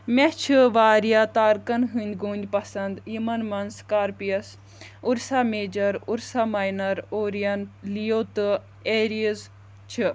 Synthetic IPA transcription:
mʲet͡ʃʰiʋaːɾijat̪aːɾkɐnɦɨnʲd̪ʲɡuːnʲd̪ʲpɐsɐnd̪jimɐnmɐnskaːɾpijɐs | uɾsaːmeːd͡ʒɐɾuɾsaːmaːjnɐɾoːɾijɐnlijoːt̪ɨ | eːɾiz | t͡ʃʰi

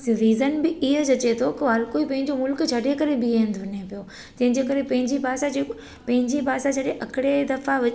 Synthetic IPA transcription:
ɾiːzənbɪiɦəd͡ʑɐt͡ɕet̪ʰokɪɦɐɾkoːipɐ̃ɦɪ̃ɲd͡ʑomʊlkt͡ɕʰɐɖekɐɾebiend̪ʱʊnepijo | t̪ɐ̃ɦɪ̃ɲd͡ʑeːkɐɾepɐ̃ɦɪ̃ɲd͡ʑipaːsad͡ʑe | pɐ̃ɦɪ̃ɲd͡ʑipaːsat͡ɕʰɐɗeʔɐkɪɽed̪ɐfaʋɐ

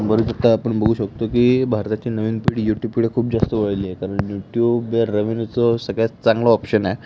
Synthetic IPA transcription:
bəɾut͡s̪at̪aːpəɳbəɡʱuːɕəkt̪okiːbʱaɾt̪at͡ɕiːnəʋiːnpiɽjuʈjub̚ppiɽekʰuːp̚d͡zast̪əʋəɭliekaɾəɳjuʈjubeɾːəʋint͡sɔsəɡɭat͡st͡saŋɡlɔːpɕəna

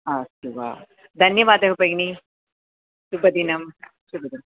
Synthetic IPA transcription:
asuʋa̰ | d̪ʱɐnjɐʋaːd̪ɐɦupɐɡni | ʃubɐd̪inɐm | ʃubɐd̪in

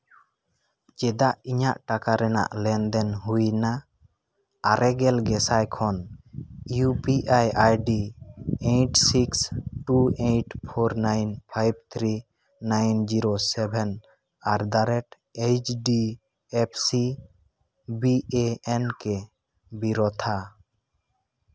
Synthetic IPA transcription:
d͡ʒɛd̪aʔiɲaʔʈakaɾɛna̰ʔlɛnd̪ɛnɦujna | ɾɛɡɛlɡɛsajkʰɔn | jupiʔajajɖiejʈsiksʈuejʈpʰɔɾnajnpʰajb̚t̪ʰɾi | najnd͡ʒiɾosɛbʱɛn | aɾd̪aɾɛʈ | ejt͡ʃɖi | ɛpʰsi | bieɛnkɛ | biɾɔt̪ʰa

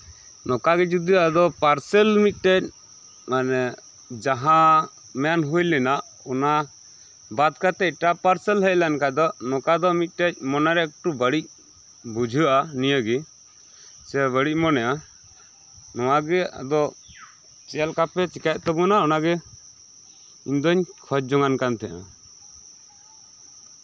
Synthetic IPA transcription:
nɔkaɡɛd͡ʒud̪iad̪ɔpaɾsɛlmit̪̚ˀʈɛc̚ | manɛ | d͡ʒaɦã | mɛanɦujlɛnaʔ | ɔna | bad̪kat̪ɛʈapaɾsɛlɦəlankad̪ɔnɔkad̪ɔmit̪̚ˀʈɛc̚ˀmɔnaɾɛk̚ʈubəɽic̚ | bud͡ʒʱuʔanijəɡi | sɛβəɽic̚ˀmɔnɛʔa | nɔwaɡɛa̰d̪ɔ | t͡ʃɛlkapɛt͡ʃikac̚t̪ɔbɔnaɔnaɡɛ | iɲd̪ɔɲkʰɔt͡ʃ̚d͡ʒɔŋankant̪ʰɛʔa̰

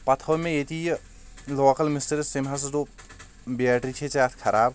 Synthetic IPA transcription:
pɐt̪ʰoʋmẽjet̪ij | loːkɐlmisʈɐɾesemɦas̬t̪o | bijaːʈɾit͡ʃʰet͡ʃaːt̪ʰkʰɐɾaːb

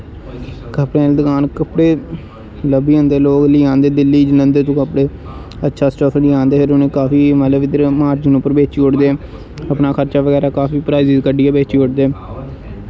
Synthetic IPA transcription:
kəpɽẽːld̪əkaːnkəpɽeː | ləbiːɦʊ̃nd̪eːloːkliːãːnd̪eːd̪ɪlːiːd͡ʒlənd̪eːt̪õːkəpɽeː | ətːʃʰaːsʈəfliːãːnd̪eːpʰɪɾʊnẽːkaːfiːmət̪ləbɪd̪əɾmaːɾd͡ʒənũːpəɾbeːt͡ʃiːʊʈd̪eː | əpnaːkʰəɾt͡ʃaːʋəɡɛːɾaːkaːfiːpɾaːizɪzkəɖiːɛːbeːt͡ʃiːʊʈd̪eː

